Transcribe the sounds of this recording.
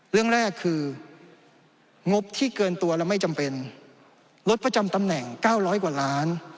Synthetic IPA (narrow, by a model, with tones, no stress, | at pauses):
ɾɯ˥˩əŋɾɛː˥˩kʰːɯː˧ | ŋo˦˥p̚t̪ʰiː˥˩kɤː˧nt̪u˧ɐɾɛː˦˥wma˥˩jt͡ɕa˧mpe˧n | lo˦˥t̪̚pɾa˧t͡ɕa˧mt̪a˧mnɛ˨˩ŋkaː˥˩wɾɔː˦˥jkwaː˨˩laː˦˥n